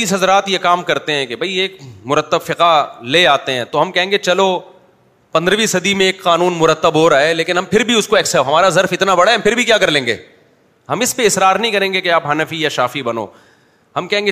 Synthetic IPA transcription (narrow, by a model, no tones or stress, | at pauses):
iːsɦɐzɾaːt̪jekaːmkɐɾt̪eɦɛ̃kebʱɐieːk̚mʊɾət̪ːəbfɪqaleaːt̪eɦɛ̃t̪oɦɐmkɛɦẽːŋɡet͡ʃɐlo | pɐ̃nd̪ɾəʋisɐd̪imẽeːkqaːnũːnmʊɾət̪ːəbɦoɾaːeleːkɪnɦɐmpʰɪɾbʱiʊskoɛːksɛɦɐmaːɾazɐɾfɪt̪nabɐɽaɦɛmpʰɪɾbʱikjaːkɐɾlẽːŋɡḛː | ɦɐmɪspeɪsɾaːɾnɐɦĩkɐɾẽːŋɡekeaːpɦaːnəfijaʃaːfibɐno̰ː | hɐmkɛɦẽːŋɡe